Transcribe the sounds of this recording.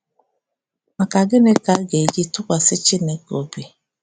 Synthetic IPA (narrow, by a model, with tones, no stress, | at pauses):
ma˨ka˨ɡɪ˦ne˦ka˨˦ɡe˨d͡ʒi˦tʊ˦kʷa˨sɪ˦t͡ʃɪ˦ne˨ko˨bi˨